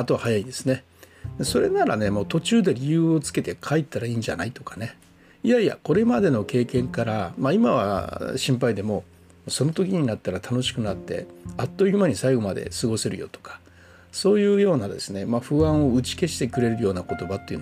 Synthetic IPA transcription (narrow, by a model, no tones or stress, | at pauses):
at̪o̞βahajaĩnd̪̥esɨne̞ | eso̞ɾe̞naɾa̰ne̞mo̞ːt̪o̞t͡ɕɨːd̪e̞ɾʲijɯ̟ːo̞t͡sɨ̥ke̞t̪e̞kʰait̪ːaɾaiːɲd͡ʑa̰na̰it̪o̞kḁne̞ | iaia̰ko̞ɾe̞mad̪e̞no̞ke̞ːkẽ̞ŋkaɾamaimaβa̰ɕĩmpaid̪e̞mo̞ | mso̞no̞t̪o̞kʲiɲ̟inat̪ːaɾat̪ʰano̞ɕi̥kɯ̟nat̪ːe̞̰at̪ːo̞iɯmaɲ̟isaiɡo̞mad̪e̞̰sɨɡo̞se̞ɾɯ̟jo̞̰t̪o̞̥kḁ | so̞ːjɯ̟ːjo̞ːnad̪e̞sɨne̞maɸɯ̟ãɰ̃o̞ɯ̟t͡ɕi̥ke̞ɕi̥t̪e̞kɯ̟ɾe̞ɾɯ̟jo̞ːnako̞t̪o̞bat̪ːejiɯ̟n